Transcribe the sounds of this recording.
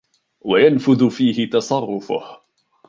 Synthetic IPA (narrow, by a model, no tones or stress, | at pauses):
wajanfʊðʊfiːhɪt̪ɑsˤɑrˤːʊfʊ̰h